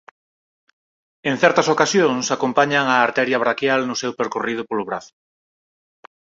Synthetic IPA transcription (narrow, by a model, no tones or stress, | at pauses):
eŋ̟θɛɾt̪ɐsokasjoŋsakompaɲaŋaːɾt̪ɛɾjɐβɾakjalnʊsewpeɾkorið̞ʊpolʊβɾaθʊ̥